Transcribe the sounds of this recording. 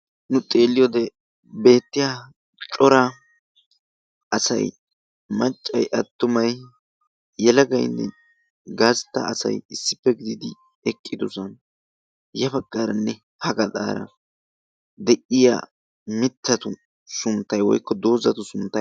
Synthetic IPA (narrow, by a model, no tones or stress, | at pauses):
nʊt̪ʼe̞ːlːɪjod̪ɛ | be̞ːt̪ːɪja | t͡ʃʼɔɾɐ | ɐsɐ̰j | mɐt͡ʃʼːɐjʔɐt̪ːʊmɐj | jɛlɐɡɐjnːɛ̰ | ɡaːst̪ːɐ̰ːsɐ̰jɪsːɪ̥pːɛɡɪd̪ɪd̪ɪ | ɛkʼːɪd̪ʊsɐn | jɐbɐkʼːaːɾɐnːɛ | hɐɡɐd̪a̰ːɾɐ̰ | d̪ɛʔɪja̰ː | mɪt̪ʰːɐt̪ʊ | sʊnt̪ːɐjwɔ̰jkːɔd̪o̞ːzɐt̪ʊsʊnt̪ːɐ